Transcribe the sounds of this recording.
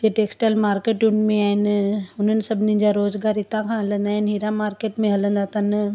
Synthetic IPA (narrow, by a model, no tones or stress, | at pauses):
t̪eʈeːksʈəlmaːɾkeːʈjũnmẽaːɦɪnʊn̤ənɪ̆sɐbʱnĩd͡ʑaɾoːzɡaːɾɪt̪ãkʰãɦɐlə̃nd̪aːɦɪnɦiɾamaːɾkeːʈmẽɦɐlə̃nd̪aːt̪ɐn